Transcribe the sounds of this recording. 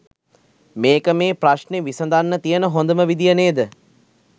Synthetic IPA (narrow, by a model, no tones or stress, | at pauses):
meːkəmeːpraʃneʋisəd̪anːət̪ijənəɦond̪əməʋid̪ijəneːd̪ə